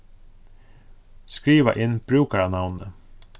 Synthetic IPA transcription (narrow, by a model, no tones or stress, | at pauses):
skɾiːʋa̰ʔɪnb̥ɾʉːkaɾanawnə